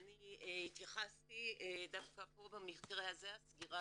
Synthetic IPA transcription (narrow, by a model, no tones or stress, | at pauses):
anihit̪jaχast̪id̪afkapobamiχkeʁehazehasɡiʁa